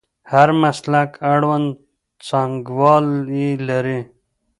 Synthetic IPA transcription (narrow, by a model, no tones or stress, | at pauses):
haɾməslakəɽwən | t͡saŋɡwɑːliləɾi